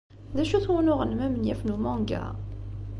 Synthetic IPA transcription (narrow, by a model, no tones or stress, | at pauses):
ðæʃuθwunʊʁənmæmənjæfnumɑ̃ŋɡæ̰